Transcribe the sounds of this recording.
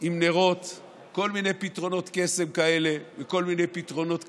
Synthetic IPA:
imneʁo̞t̪ | ko̞lmine̞jpit̪ʁo̞no̞t̪kese̞mkaele̞veko̞lminejpit̪ʁo̞no̞t̪

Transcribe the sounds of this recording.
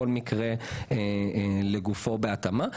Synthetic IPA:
olmikʁe̞eleɡufo̞be̞at̪ama

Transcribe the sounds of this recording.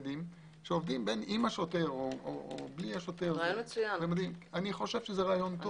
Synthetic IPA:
dim | ʃeovd̪imbe̞nimaʃote̞ʁooo̰bliaʃoteʁaajonmesujamemad̪imaniχo̞ʃe̞v̥ʃezeʁaːjo̞nt̪o

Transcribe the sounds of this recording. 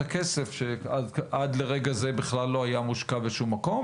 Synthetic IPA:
akese̞fʃeadad̪le̞ʁeɡazebiχlalːo̞ajamuʃkabeʃumːako̞m

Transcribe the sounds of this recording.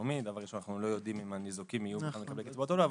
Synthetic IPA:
omid̪avaʁiʃonaχnulo̞jo̞d̪imimanizokimijuanlekablekit͡sbot̪olov

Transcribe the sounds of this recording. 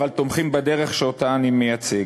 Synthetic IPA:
valt̪omχimbad̪eʁeχʃeot̪aːnimejat͡se̞ɡ

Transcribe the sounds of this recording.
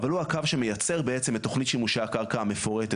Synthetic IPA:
valuakavʃeme̞jat͡se̞ʁbeet͡se̞metːo̞χnitʃimuʃakaʁkaame̞fo̞ʁete

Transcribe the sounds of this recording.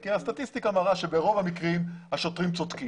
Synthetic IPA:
kiast̪at̪ist̪ikamaʁaʃe̞beʁo̞vamikʁimhaʃo̞t̪ʁimt͡sot̪ki

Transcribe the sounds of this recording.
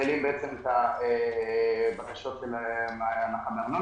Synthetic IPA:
elimbeet͡semet̪ae | bakaʃo̞t̪ʃelmamaχameʁnu

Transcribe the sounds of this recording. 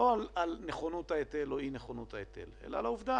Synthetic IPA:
oalalneχonut̪haet̪eloineχonut̪haet̪e̞̰le̞̰la̰lauvd̪a

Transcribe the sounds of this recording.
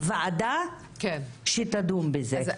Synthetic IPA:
vead̪a | kenʃet̪ad̪umbeze

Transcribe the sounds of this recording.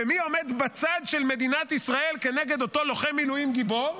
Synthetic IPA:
emio̞med̪bat͡sad̪ʃelme̞d̪inat̪isʁae̞lke̞neɡe̞d̪ot̪o̞lo̞χemilujimɡibo̞ʁ

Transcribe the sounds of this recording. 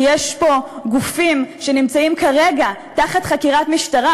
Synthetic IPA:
jeʃpo̞ɡufimʃe̞nimt͡saimkaʁe̞ɡataχatχakiʁatmiʃtaʁa

